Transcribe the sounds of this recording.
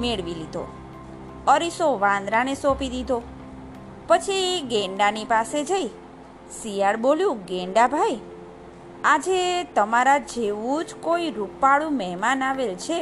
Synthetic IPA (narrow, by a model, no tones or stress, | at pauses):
meɭʋilid̪ʱo̰ | əɾisoʋãnd̪ɾanesopid̪id̪ʱo | pət͡ʃʰiɡẽɳɖanipased͡ʒəi | sijaɾboljũɡẽɳɖabʱaj | ad͡ʒet̪əmaɾad͡ʒeʋũd͡ʒkoiɾupaɭũmɛɦmanaʋelt͡ʃʰe